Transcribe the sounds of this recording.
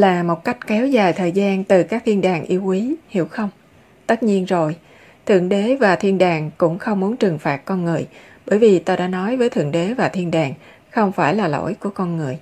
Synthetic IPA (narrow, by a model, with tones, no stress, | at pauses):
laː˨˩mo˨˩t̚ka˦˥jk̟̚kɛ˨˦wzaː˨˩jt̪ʰəː˨˩jzaː˧nt̪ɨ˨˩kaː˦˥k̚t̪ʰi˧nɗaː˨˩ŋʔi˧əwʔi˨˦hḭ˧˩əwxə˧wŋ͡m | t̪ə˦˥t̚ɲi˧ənzo˨˩j | t̪ʰɨ̰˧˨əŋɗe˨˦vaː˨˩t̪ʰi˧ənɗaː˨˩ŋkʊ̰˧˥ŋ͡mxə˧wŋ͡mmu˨˦ənt͡ɕɨ˨˩ŋfaː˨˩t̚kɔ˧nŋɨ˨˩əj | ɓəː˧˩jvi˨˩t̪aː˧ɗa̰ː˧˥nɔ˨˦jvəː˨˦jt̪ʰɨ̰˧˨əŋɗe˨˦vaː˨˩t̪ʰi˧ənɗaː˨˩ŋ | xə˧wŋ͡mfaː˧˩jlaː˨˩lo̰˧˥jku˧˩əkɔ˧nŋɨ˨˩əj